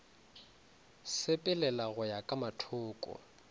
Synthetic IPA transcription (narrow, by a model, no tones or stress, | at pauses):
sɪpʼɪlɛlaɣʊjakʼamatʰʊːkʼɔ̰